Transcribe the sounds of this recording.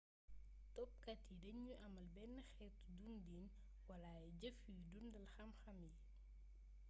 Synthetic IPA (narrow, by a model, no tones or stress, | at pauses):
tɔp̚kɐtːidɐɲɲuʔɐmɐlbɛnːɐxɛtdundiːn | wɐlaɟɐfujdundɐlxɐmxɐmji